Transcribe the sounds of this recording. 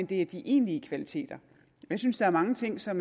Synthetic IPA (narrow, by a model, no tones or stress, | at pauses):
nd̥e̝æd̥iʔe̝ːnliəkʰʋælit͡sʰe̝̰ːd̥ɐ | jɑɪsynsd̥ɑ̈æɐmɑ̈ŋət͡sʰe̝ŋ̰sɒ̽m